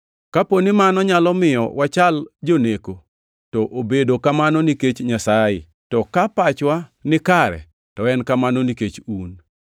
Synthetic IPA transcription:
kaponimanɔɲalɔmɪjɔ̰wat͡ʃald͡ʒoneko | tɔʔobedokamanɔniket͡ʃɲasaɪ̰ | tɔkapat͡ʃwanɪkaɾɛ̰ | tɔɛnkamanoniket͡ʃun

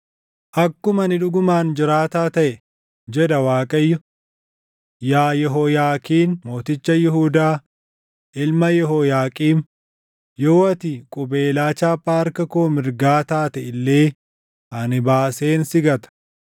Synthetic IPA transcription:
ʔɐkːʊmɐnɪᶑʊɡʊmaːnd͡ʒɪɾaːt̪aːt̪ɐʔɛ | d͡ʒɛᶑ̪ɐwaːkʼɐjːɔ | jaːjɛɦɔjaːkʼiːnmo̞ːt̪ɪt͡ʃːɐjɪɦuːd̪aː | ʔɪlmɐjɛɦɔjaːkʼiːm | joːɐt̪ɪkʼʊbeːlaːt͡ʃaːpʼːaːɐɾkɐkoːmɪɾɡaːt̪aːt̪ɛɪlːe̞ː | ʔɐnɪbaːseːnsɪɡɐt̪ɐ̥

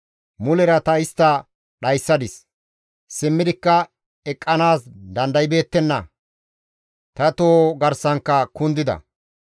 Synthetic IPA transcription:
mʊlɛɾɐt̪ɐɪst̪ːɐ | ɗɐjsːɐd̪ɪs | sɪmːɪd̪ɪkːɐ | ɛkʼːɐnaːsd̪ɐnd̪ɐjbe̞ːt̪ːɛnːɐ̰ | t̪ɐt̪oːɡɐɾsɐŋkːɐkʊnd̪ɪd̪ɐ̰

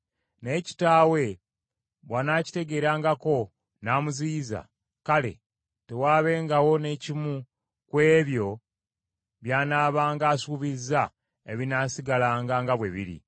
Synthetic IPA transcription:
ne̞ːci̥taːwe̞ | βwanaːci̥te̞ɡe̞ːɾaːŋɡako̞ | naːmuziːza̰ | kale̞̰ | te̞waːβe̞ːŋɡawo̞ne̞cimu | kwe̞ːβjo̞ | βjaːnaːβaːŋɡaːsuβizːa | eβinasiɡalaːŋɡaːŋɡaβwe̞βḭɾḭ

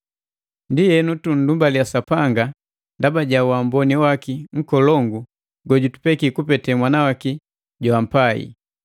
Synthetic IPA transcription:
ndijɛnutun̩dumbalijasapaŋɡa | ndabaɟawambɔniwakiŋ̩kɔlɔŋɡu | ɡɔɟutu̥pɛkikupɛtɛmwanawaki | ɟwam̩paḭ

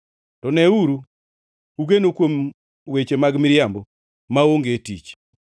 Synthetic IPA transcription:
tɔnɛuɾu | uɡenokwom | wet͡ʃemaɡmɪɾjambɔ | maoŋɡetit͡ʃ

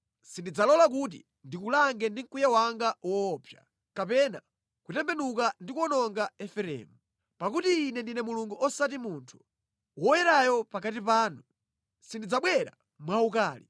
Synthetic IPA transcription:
sindid͡zalɔlak̬ut̬ḭ | ndikulaŋɡɛndiŋ̩kujawaŋɡawɔːpʰja̰ | kapɛna | kutɛmbɛnukandikwɔnɔŋɡaɛfɛɾɛ̰ːmu | pakutiːnɛndinɛmuluŋɡuʔɔsat̬imuntʰu̥ | wɔjɛɾajɔpakatipaːnu | sindid͡zaɓwɛɾa̰ | mwaukaːli

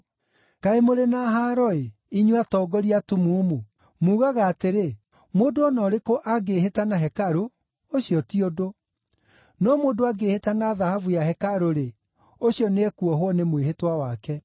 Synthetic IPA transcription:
kaemoɾenaɦaɾɔe | iɲwatɔːɡɔɾiatumuːmu | muːɣaɣaːteɾe | moːdoːnɔɾekoʔaɡehetanaɦɛkaɾo | oɕijɔtiodo | nɔmoːdoaɡehetanaðahavujaɦɛkaɾoɾe | oɕjɔneɛkuɔɦwɔnemweɦetwawakɛ

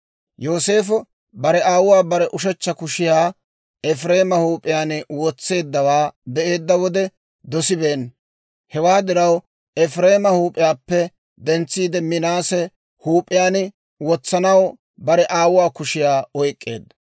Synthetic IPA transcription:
jo̞ːse̞ːfɔ | bɐɾɛʔaːwʊwaːbɐɾɛʔʊʃ̬ɛt͡ʃːɐkʊʃɪjaː | ɛfɾe̞ːmɐhuːpʼːɪjaːnwɔt͡sːe̞ːd̪ːɐwaːd̪ɛʔe̞ːd̪ːɐwɔd̪ɛ | d̪ɔsɪbe̞ːn | hɛwaːd̪ɪɾɐw | ɛfɾe̞ːmɐhuːpʼːɪjaːpːɛ | d̪ɛnt͡sːiːd̪ɛmɪnaːsɛ | huːpʼːɪjaːn | wɔt͡sːɐnɐw | bɐɾɛʔaːwʊwaːkʊʃɪjaːɔjkʼːe̞̰ːd̪ːɐ

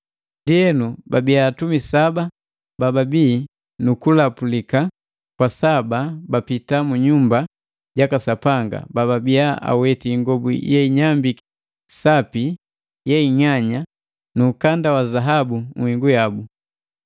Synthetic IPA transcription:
ndiɛnubabiaːtumisaba | bababiː | nukulapulika | kwasababapitamuɲumba | ɟakasapaŋɡa̰bababiaa̰wɛtiŋɡɔbṵjɛiɲambi | sapi | jɛiɲaɲa | nuːkandawazaɦabuŋ̩wiŋɡujabu

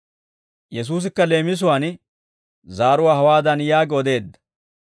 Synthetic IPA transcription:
jɛs̬uːs̬ɪkːɐle̞ːmɪs̬ʊwaːn | zaːɾʊwaːhɐwaːd̪ɐnjaːɡɪɔd̪e̞ːd̪ːɐ̥

